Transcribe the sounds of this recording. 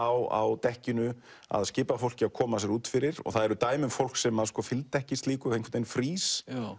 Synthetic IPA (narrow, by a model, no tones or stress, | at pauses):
awa̰wt̪ɛhcɪnʏ | a̰ðscɪːpafowl̥cɪakʰɔːmasɛɾuːt̪fɪɾɪɾɔ̰ɣθaðɛɾʏt̪aːjmʏmfowl̥ksɛmaðskʰɔːfɪlt̪ɛhcɪst̪liːkʏejŋkʰvft̪ejnfɾiːs